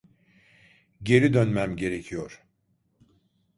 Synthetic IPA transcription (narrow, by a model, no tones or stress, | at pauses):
ɟe̞ɾid̪ønmæmɟe̞ɾe̞cʰijoɾ̥